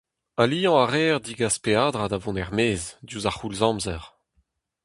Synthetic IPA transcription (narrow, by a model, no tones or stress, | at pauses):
alijɑ̃aʁɛːʁd̪iɡaspeaːdʁad̪avɔ̃nɛʁmeːzd̪juːzaχulzɑ̃mzɛʁ